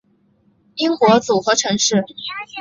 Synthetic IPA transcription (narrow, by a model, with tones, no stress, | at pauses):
i˥ŋxwɔ˧˥t͡su˨˩xɤ˧˥ʈ͡ʂʰɤ˧˥ŋʂɻ̩˥˩